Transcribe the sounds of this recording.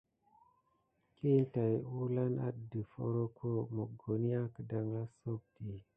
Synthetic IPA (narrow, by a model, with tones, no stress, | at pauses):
ki˦nta˨ju˦la˦na̰˦də˨fo̰˦ɾo˦kʰo˦mo˨ɡo˨ni˦a˦kə˨da˨ŋla˦so˦k̚ti˨